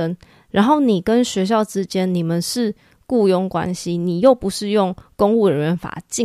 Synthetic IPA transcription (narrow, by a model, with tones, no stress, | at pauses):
ə˦n | ɻa˧˦nxo˥˩ʊni˨˩kə˦nɕɥɛ˧˥ɕ̬jɑ˥˨˩ʊʈ͡ʂɻ̩˥t͡ɕjɛ˦nni˨˩mə˨˦nʂɻ̩˥˨ | ku˥˧jʊ˥ŋkwa̰˦˥nɕi˦ni˨˩jo˥˩ʊpu˧˦ʂɻ̩˥˧jʊ˥˩ŋkʊ˥ŋu˥˩ə˨˦nɻə˧˦nfa̰˨˩t͡ɕi˥˨